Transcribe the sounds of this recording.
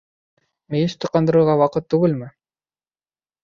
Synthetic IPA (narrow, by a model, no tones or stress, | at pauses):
mɘjɘst̪ɤ̆qɑnd̪ɤ̆ɾɤ̆ɾʁɑwɑqɤt̪ːuɡɘlmɘ